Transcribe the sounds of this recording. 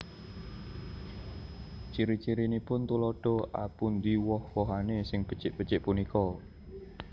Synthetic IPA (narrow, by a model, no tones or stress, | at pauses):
t͡ʃiɾit͡ʃiɾinipʊnt̪ulɔɖ̥ɔ̤ʔa̰pund̪iwɔhwɔɦanesɪŋb̥ə̥t͡ʃɪʔb̥ət͡ʃɪʔpunikɔ